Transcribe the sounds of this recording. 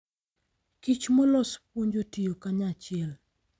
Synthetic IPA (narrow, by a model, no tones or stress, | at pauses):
kit͡ʃmɔlɔspwoɲd͡ʒotijokaɲat͡ʃɪɛl